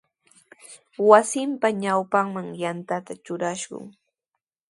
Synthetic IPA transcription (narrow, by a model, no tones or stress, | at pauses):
wasɪmpaɲawpaŋmaŋjant̪at̪at͡ʃʊɾaʃɢʊ̰ŋ